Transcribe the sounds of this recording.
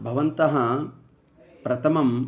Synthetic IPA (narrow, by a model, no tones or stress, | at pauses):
bʱɐʋɐnt̪ɐɦɐ | pɾɐt̪ʰɐmɐm